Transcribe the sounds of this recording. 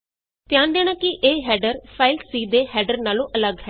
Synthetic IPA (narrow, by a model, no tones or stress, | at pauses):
t̪ɪjãːnd̪eːɽ̃aːkɪʔeːɦɛːɖəɾpʰaːɪlsiːd̪eːɦɛːɖəɾnaːlõːʔələɡɦɛː